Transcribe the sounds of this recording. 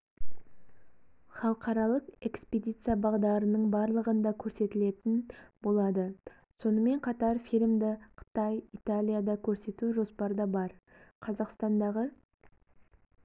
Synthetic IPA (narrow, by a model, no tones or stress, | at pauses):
χɑlˠəqɑɾɑlˠəqe̞kspʲed̪ʲijt̪sɨjabɑʁd̪ɑɾənəɴbɑɾlˠəʁənd̪ɑkʲʰɵɾse̞t̪ɪle̞t̪ɪnbo̞lˠɑd̪ə | so̞nəme̞ɴqʰɑt̪ɑɾfilʲmd̪ɪqʰə̥t̪ɑjit̪alʲijad̪ɑkʲʰɵɾse̞t̪uʒo̞spɑɾd̪ɑbɑɾ | qʰɑzɑqst̪ɑnd̪ɑʁə